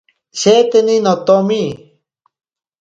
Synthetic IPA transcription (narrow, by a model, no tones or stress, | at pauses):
ɕet̪eninot̪omi